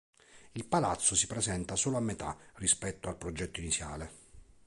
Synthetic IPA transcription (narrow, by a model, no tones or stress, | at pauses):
ilpalat̪sːosi̥pɾezɛnt̪asoːloamːet̪arispɛt̪ːoalpɾod͡ʒɛt̪ːoinit̪sja̰ːle